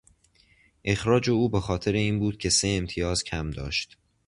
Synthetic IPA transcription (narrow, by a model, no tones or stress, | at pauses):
ʔe̞xɾɒːd͡ʒe̞uːbexɒːt̪ʰe̞ɾe̞iːnbuːd̪̥̚cʲʰe̞seemt̪ʰijɒːzcʰæmd̪ɒ̰ːʃt̪